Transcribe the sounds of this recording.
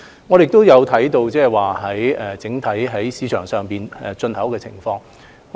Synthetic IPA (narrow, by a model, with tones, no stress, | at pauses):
ŋɔː˨˧jɪ˨k̚t̪o˥wjɐ˨˧wt̪ʰɐ˨˥jt̪o˧wt͡sɛː˥˨˩waː˨ɦɐ˨˥jɛ˨t͡sɪ˨˥ŋt̪ʰɐ˨˥jɦɐ˨˥jsiː˨˧t͡ʃʰœː˨˩ŋsœː˨ŋpiː˨nɛ˨t͡sɵ˧nhɐ˨˥wkɛː˧t͡sʰɪ̰˨˩ŋfɔː˧ŋ